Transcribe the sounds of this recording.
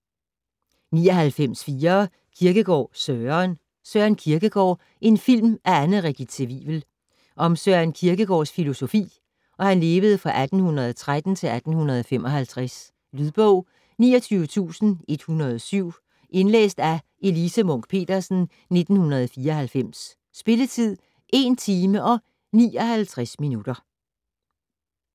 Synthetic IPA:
niːɒ̽ɦælfem̰sfiːɐː | kʰiɐɡ̥əɡ̥ɒ̰ːsøɐn | sɶɐænkʰiɐɡ̥əɡ̥ɒ̰ː | ʔe̝nfil̰mʔæænð̩ˠʁeɡ̥d̥id̥t͡sʰeʋḭb̥l̩ | ʔɒ̽msœɐænkʰiɐɡ̥əɡ̥ɒ̰ːsfilo̝so̝fḭː | ʔɒ̽hænle̝ːʋəð̞̩ˠfʁɑ̈ʔæd̥n̩hunʁɐð̞ˠɒt͡sʰʁad̥n̩t͡sʰe̝læd̥n̩hunɐðˠɒ̽femʔɒ̽hælt͡sʰʁas | lyðˠb̥ɔʊ̰ | nḭːɒt͡sʰyːʊət͡sʰṵːsn̩e̝d̥hunɐð̞ˠɒsyʊ̰ | ʔe̝nlḛːsd̥æ | e̝lisəmɔ̽ŋ̰ɡ̥̚pʰe̝̰ːd̥ɐsn̩ | ne̝d̥n̩hunɐðˠɒfiːɐɦælfem̰sː | b̥e̝lət͡sʰið̰ˠ | ʔe̝nt͡sʰiːməʔɒ̽ | nḭːɒ̽hælt͡sʰʁasminud̥ɐ

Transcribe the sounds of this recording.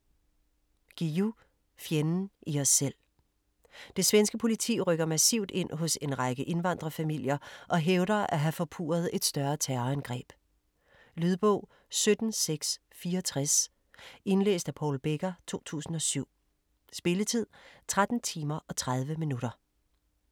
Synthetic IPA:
ɡ̥iu | fjenn̩iɒsːel̰ | d̥e̝sʋensɡ̥əpʰo̝lit͡sʰḭːʁœɡ̥ɐmæsḭʊ̰d̥e̝n̰ɦɔ̽se̝nʁaɪɡ̥əʔe̝nʋɑ̈nd̥ʁɐfæmil̰jɐʔɒ̽ɦeʊɾɐæɦæfɒ̽pʰṵːɐð̞̩ˠe̝d̥sd̥ɶɐt͡sʰæɐænɡ̥ʁɛ̰ːb̥ | lyðˠb̥ɔ̰ʊ̰ | sød̥n̩seɡ̥s | fiːɐɒt͡sʰʁas | e̝nlḛːsd̥æpʰɒ̰ːlb̥eɡ̥ɐt͡sʰo̝̰ːt͡sʰṵːsn̩ɒ̽syʊ̰ | sb̥e̝lət͡sʰið̞̰ˠt͡sʰʁad̥n̩t͡sʰiːmɐʔɒ̽t͡sʰʁað̞ˠʋəminuɾ̥ɐ

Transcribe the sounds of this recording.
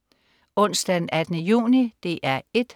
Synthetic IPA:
ɔ̽n̰sd̥ædn̩æd̥ənəjṵːnid̥e̝ʔæɐe̝d̥

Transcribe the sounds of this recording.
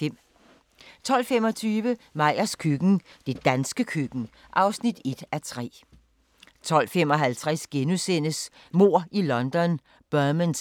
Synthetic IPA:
t͡sʰɒ̽l̰fem̰ɒ̽t͡sʰyːʋəmɑ̈ɪ̰ɐskʰyɡ̥n̩d̥e̝d̥ænsɡ̥əkʰyɡ̥n̩ | ʔɑ̈ʊsnid̥e̝d̥æt͡sʰʁɛ̰ː | t͡sʰɒ̽l̰fem̰ɒ̽ɦælt͡sʰʁɛsɡ̥enusen̰əs | mo̝ɐ̰ilɒ̽nd̥ɒ̽n | b̥œɐməns

